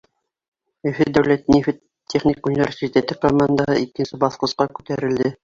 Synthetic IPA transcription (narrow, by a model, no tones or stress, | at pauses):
ɵ̆fɘd̪æwlæt̪nifɘt | tʲʰːeχnʲikunʲivʲersʲit̪ʲet̪ɘkomand̪aɦɤikːɘ̆nsɘbɑθqŏsqɑkʉ̥t̪æɾɘ̆ld̪ɘ